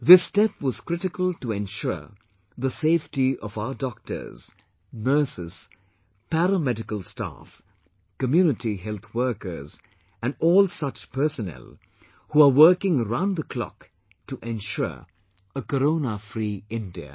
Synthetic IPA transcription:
ðɪsdɛpwʌz̥kɹ̥ɪɾɪkəlˠtəɛ̃nʃʊ̰ɹ | ðəseɪftiʌvaʊədɔk̚tə̰˞z̥ | nɜ˞sɪz̥ | pæɾəmɛdɪkəlˠsta̰f | kəmjʉːnɨtiɦɛlˠt̪wɜ˞kə̰˞z | ɨ̃nɔːlˠsʌt͡ʃpʰɜ˞sənɛ̰lˠ | huəwɜ˞kɪ̃ŋəɹãʊ̃ndðəkʰl̥ɔ̰k | tuʔɛ̃nʃʊ̰ɹ | əkəɾõʊnəfɾiɪ̃ndiə̰

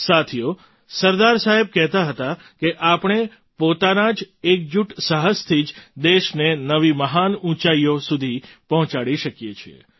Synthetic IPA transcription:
sat̪ʰijo | səɾd̪aɾsaɦeb̚kɛɦt̪aɦət̪a | keʔapɳ̃e | pot̪anad͡ʒ | ek̚d͡ʒuʈsaɦəst̪ʰid͡ʒd̪eʃnenəʋiməɦanũt͡ʃaijosud̪ʱipəɦɔ̃t͡ʃaɽiʃəkjet͡ʃʰiḛ

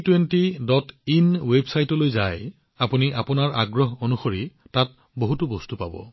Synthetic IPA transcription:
twentidɔtinwebsajtɔlojzaj | apuniʔapunaɹʔa̰ɡɹɔɦonuxoɹitat̚ | boɦutubɔstupa̰bɔ̰

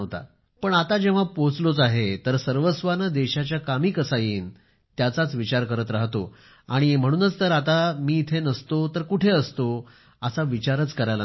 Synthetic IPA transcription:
t̪a̰ | pəɳat̪ad͡ʑeʋ̤apot͡slot͡saɦet̪əɾsəɾʋəsʋanəd̪eɕat͡ɕjakamiːkəsajiːn | t̪jat͡sat͡sʋit͡ɕaɾkəɾət̪ɾaɦt̪o | aɽ̃im̤əɽ̃uːnət͡st̪əɾat̪amiːt̪ʰenəst̪ot̪əɾkuʈʰeəst̪o | asaʋit͡ɕaɾət͡skəɾajla

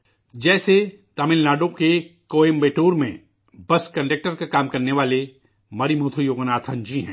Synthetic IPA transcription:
d͡ʒɛːse | t̪amɪlnaːɖõkekoːeːmbeːʈoːɾmḛ̃ | bɐskɐ̃ɳɖek̚ʈəɾkakaːmkɐɾneʋaːle | mɐɾimuːt̪ʰujoːɡnaːt̪ʰə̃nd͡ʒiɦɛ̰̃ː

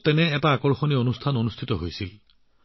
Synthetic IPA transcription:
tɛnɛːtaːkɔɹxonionustʰanonustʰitɔɦojsil

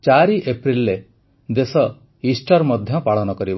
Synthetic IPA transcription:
t͡ʃaɾiʔepɾilːe | d̪esɔ | isʈɔɾmɔd̪ʱjɔpaɭɔnɔkɔɾib

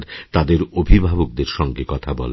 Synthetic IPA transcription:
ɾt̪ad̪eɾobʱibʱabok̚d̪eɾʃɔŋɡekɔt̪ʰabɔ̰le

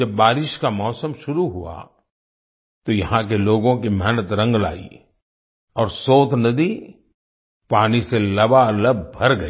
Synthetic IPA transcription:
d͡ʒɐbːaːɾɪʃkamɔːsəmʃʊɾuɦua̰ | t̪ojɐɦãk̬eloːɡõkimɛɦnət̪ɾɐ̃ŋɡla̰ːḭ | ɔːɾsoːt̪ʰnɐd̪i | paːniselɐbaləbbʱɐɾɡɐi

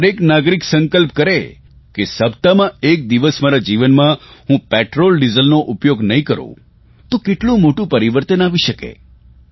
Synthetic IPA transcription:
ɾeknaɡɾiksə̃ŋkəlp̚kəɾe | kesəbt̪amãek̚d̪iʋəsmaɾad͡ʒiʋənmãɦũpeʈɾolɖizəlnoʔupjoɡnəĩkəɾõ̰ | t̪okeʈlũmoʈũpəɾiʋəɾt̪ənaʋiʃəkḛ

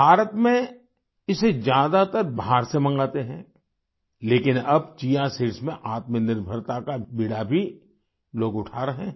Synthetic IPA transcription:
bʱaːɾət̪mẽ | ɪsed͡ʒjaːd̪at̪əɾbʱaːɾsemɐ̃ŋɡaːt̪eɦɛ̃ | leːkɪnɐbt͡ʃiːjãsiɾsmẽʔaːt̪mənɪɾbʱəɾt̪akabiɽabʱi | loːɡʊʈʰaːɾɐɦɛ̃

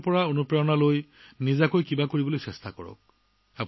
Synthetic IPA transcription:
pɔɹaonupɹaɔnaloj | nizakojkibakoɹibɔlojsɛstakɔ̰ɹɔ̰k̚ | ap

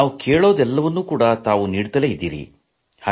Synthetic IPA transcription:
aːʋukeːɭo̞ːd̪ɛlːɐʋɐnːuːkuːɽɐt̪aːʋuniːɽt̪ɐlejid̪ːḭːɾḭ | haː

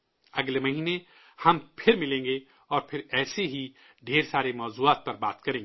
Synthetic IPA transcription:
ɐɡlemɐɦiːne | hɐmpʰɪɾmɪlẽːŋɡe | ɔːɾpʰɪɾɛːseɦi | ɖʱeːɾsaːɾemɔːzuːaːt̪̚pɐɾbaːt̪kɐɾẽːŋɡe

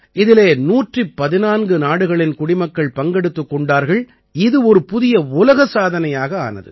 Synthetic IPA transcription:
ʔɪðɪleːnuːʈripːɐðɪnaːnɡɯnaːɽɯɣɐɭɪnkʊɽɪmɐkːɐɭpɐŋɡɛɽɯt̪ːɯkːɔɳɖaːɾɣɐɭ | ɪðɯɔɾɯpʊðɪjɐʊlɐɣɐsaːðɐnɐjaːɣɐa̰ːnɐ̰ðɯ̰

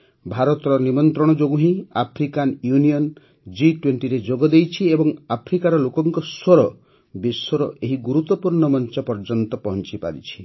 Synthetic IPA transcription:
bʱaɾɔt̪ɔɾɔnimɔnt̪ɾɔɽ̃ɔd͡ʒoɡuɦĩapʰɾikanjuniɔn | d͡ʒiʈweɳʈiɾed͡ʒoɡɔd̪ejt͡ʃʰiebɔŋapʰɾikaɾɔlokɔŋkɔswɔɾɔ | biswɔɾɔʔeɦiɡuɾut̪ːɔpuɾɳɔmɔnt͡ʃɔpɔɾd͡ʒɔnt̪ɔpɔɦɔnt͡ʃipa̰ɾit͡ʃʰi̥

